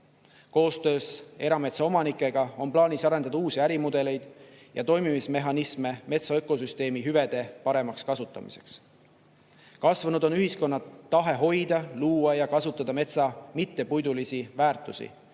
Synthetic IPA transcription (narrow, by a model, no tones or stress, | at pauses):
ko̞ːst̪ø̞ːse̞ɾɑme̞t̪sɑo̞mɑnikːˑe̞ɡ̥ɑo̞nplɑːnisɑɾe̞nd̪ɑd̪ɑuːsiæɾimud̪e̞le̞jd̪̥jɑ̰t̪o̞jmimisme̞ɦɑnisme̞me̞t̪sɑɤkːˑo̞s̬yst̪e̞ːmiɦyve̞d̪̥e̞pɑɾe̞mɑkskɑsut̪ːˑɑ̰mḭse̞̥̰ks | kɑsvɑnud̪o̞nyhisko̞nːɑt̪ːɑɦe̞ɦo̞jd̪̥ɑluːwɑjɑkɑsut̪ːˑɑd̪̥ɑme̞t̪sɑmit̪ːe̞pujd̪ulisivæːrt̪ˑusḭ